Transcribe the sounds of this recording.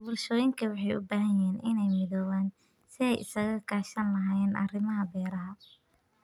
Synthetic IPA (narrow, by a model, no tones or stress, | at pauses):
bʊrʃɔːjɪŋkʰɐwɑħɑjʊ̰baːɦɐjɪɦɛːnʔɪnɛjmɪðɔːwaːn | sɪɛjʔɪ̰sɐɣɐkʰaːʃɐnlɐɦaːjɛːnʔɐ̰rɪmɐɦɐbɛːɾɐɦɐ